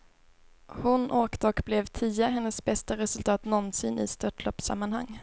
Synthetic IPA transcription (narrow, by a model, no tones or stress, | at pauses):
hʊnʔoːkt̪əɔkblɛvt̪ʰiːaɦɛnːəsbɛst̪aɾɛsɵlt̪ʰɑːt̪nɔnsɪnɪ̰st̪œʈʰlɔpːsa̰mːanha̰ŋː